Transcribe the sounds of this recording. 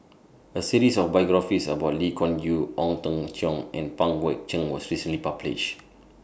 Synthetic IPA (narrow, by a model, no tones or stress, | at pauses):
əsiɹisɔfbajɡɹafisə̰baʊtlikʰɔ̃nɡjuʔɔ̃ŋtə̃ŋtʰɔ̃ŋʔɛ̃npãŋwɛk̚t͡ʃə̃ŋwɔsɹisə̃nlipablḭʃ